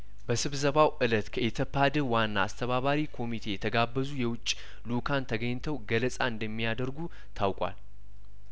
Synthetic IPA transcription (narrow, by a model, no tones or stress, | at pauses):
bəsɨβzəβawʔɨlət̪kʰəʔet̪ʰəpʰːad̪ɨɾwanːa̰ːst̪ʰəβaβaɾikʰo̞mit̪ʰe̞jɛt̪ʰəɡabːəzujɛwʊt͡ʃʼː | lukʰant̪ʰəɡəɲːt̪ʰəwɡələsʼaɨnd̪əmːijad̪əɾɡu | t̪ʰawkʷʼwa̰l